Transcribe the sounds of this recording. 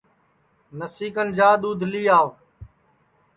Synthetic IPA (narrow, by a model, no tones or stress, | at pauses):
nəsiːkənd͡ʒaːd̪uːd̪ʱliːaːʋ